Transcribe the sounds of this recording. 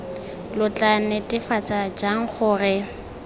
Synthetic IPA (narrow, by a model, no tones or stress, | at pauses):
lʊt͡ɬʼanɛtʼɪfat͡sʼad͡ʒaŋ̩χʊːrɪ